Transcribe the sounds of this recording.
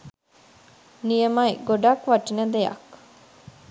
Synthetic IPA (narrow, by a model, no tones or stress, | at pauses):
nijemɐjɡoɖakʋaʈinəd̪ejɐ̰k